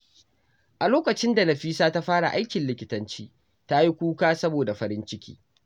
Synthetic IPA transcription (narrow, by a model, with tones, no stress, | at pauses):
ʔa˨loː˦kɐ˨t͡ʃɪ˦nda˨nɐ˨ɸiː˦saː˦ta˦ɸaː˦ɽa̰˨ʔa˦jkʲɪ˨nlɪ˨kʲɪ˨˦tɐ˦nt͡ʃiː˦ | ta˦ji˦kʷuː˦kaː˦sɐ˦boː˨da˨ɸɐ˦ɾɪ˦nt͡ʃɪ˦kʲʰḭː˦